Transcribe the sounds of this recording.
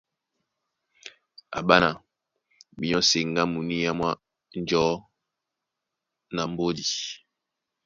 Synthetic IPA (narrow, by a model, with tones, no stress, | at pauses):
a̰˨ɓa˦na˨ | mi˨ɲɔ˦se˨ŋ˦ɡa˦mu˨ni˦ja˦mwa˦ | n˦d͡ʒɔ˨˦ | na˨m̩˦bo˦di˨